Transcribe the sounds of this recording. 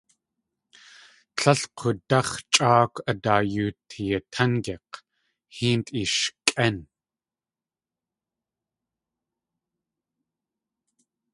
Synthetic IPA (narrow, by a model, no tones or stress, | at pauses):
t͡ɬʰɐɬqʰotɐχt͡ʃʼaːkʷɐdaːjuːtʰijɐtʰɐŋɡeq | hiːntʼiʃkʼɐn